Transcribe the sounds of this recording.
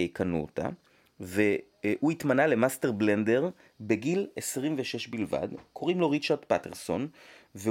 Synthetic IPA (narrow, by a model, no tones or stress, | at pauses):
eikanṵota̰ | ve | huitmanale̞masteʁblende̞ʁ | be̞ɡilesʁimveʃeʃbilva̰d̪kʰo̞ʁimlo̞ʁit͡ʃaʁt̪pate̞̰ʁso̞nve